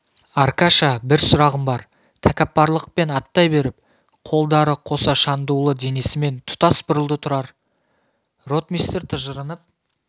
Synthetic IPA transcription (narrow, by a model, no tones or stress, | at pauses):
aɾkaʃabɪɾsʊɾɑʁəmbɑɾ | t̪ʰækʲæpːɑɾlˠəq̚pe̞nɑt̪ːɑjbe̞ɾɪp̚ | qʰo̞lˠd̪ɑɾəqʰo̞sɑʃɑnd̪ulˠəd̪e̞ne̞sɪme̞nt̪ʰʊ̥t̪ɑsbʊɾəlˠd̪ət̪ʰʊɾɑɾ | ro̞t̪mijst̪eɾt̪ʰəʒəɾənəp̚